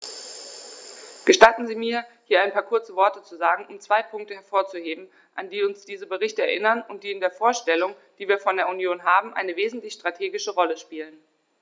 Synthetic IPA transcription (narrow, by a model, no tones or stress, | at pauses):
ɡ̥əʃtatn̩ziːmiːɐhiːɐʔaɪnpʰaːɐkʰʊɐt͡səvɔɐtət͡suzaːɡŋ̩ʔʊmt͡sv̥aɪpʰʊŋk̚təhɛɐfoːɐt͡suheːbm̩ | ʔandiːʊnsd̥iːzəbəʁɪçtəɛɐʔɪnɐnʊnt̚d̥iːɪndeːɐfoːɐʃtɛlʊŋ | d̥iːviːɐfɔndeːɐunjoːnɦaːbm̩ʔaɪnəveːzn̩tlɪçʃtʁ̥atʰeːɡɪʃəʁɔləʃpiːlən